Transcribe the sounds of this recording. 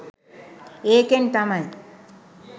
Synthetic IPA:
eːkent̪amaj

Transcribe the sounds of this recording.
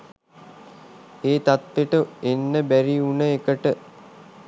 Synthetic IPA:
eːt̪at̪ʋeʈəenːəbæɾiunəekəʈə

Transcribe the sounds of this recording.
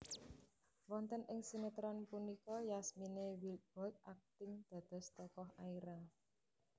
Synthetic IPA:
wɔnt̪ənʔɪŋsimet̪ɾɔnpunikɔjasminewilt̪̚b̥ɔt̪̚ak̚t̪ɪŋd̪̥ä̤d̪̥ɔ̤st̪ɔkɔɦaiɾa

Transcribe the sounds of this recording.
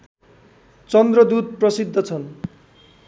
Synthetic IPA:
t͡sʌnd̪rʌd̪ud̪̚prʌsid̪ʱːʌt͡sʰʌn

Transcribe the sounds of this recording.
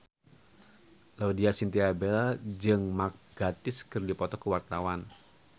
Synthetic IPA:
laudiasint̪iabelad͡ʒɨŋmak̚ɡ̥at̪ɪskɨrdipɔt̪ɔkəwart̪awan

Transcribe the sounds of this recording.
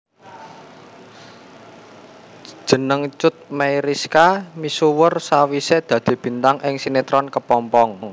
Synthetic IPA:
d̥ʒ̥ə̤nəŋt͡ʃʊt̪̚mejɾiskamisuwərsawised̪̥ä̤d̪̥e̤b̥i̤nt̪aŋʔɪŋsinet̪ɾɔnkəpɔmpɔŋ

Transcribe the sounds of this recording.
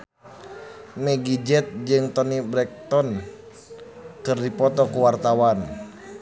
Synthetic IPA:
mɛɡid͡ʒɛt̪̚d͡ʒɨŋt̪ɔnibɾɛk̚t̪ɔn | kɨrdipɔt̪ɔkuwart̪awan

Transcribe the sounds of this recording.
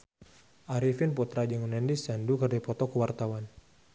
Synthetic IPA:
ʔaɾifinput̪ɾad͡ʒaŋunɛndisandukərdipɔt̪ɔkuwart̪awan

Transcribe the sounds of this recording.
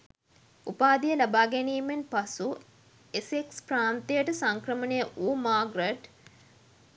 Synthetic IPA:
upaːd̪ijəlabaːɡæniːmenpasu | esekspraːnt̪ejəʈəsaŋkrəmənejəʔuːmaːɡɾeʈ

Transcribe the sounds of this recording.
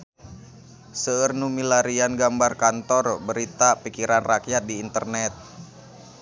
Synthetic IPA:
səərnumilaɾianɡambarkant̪ɔrbəɾit̪apikiɾanrakjat̪̚diːnt̪ərnɛt̪̚

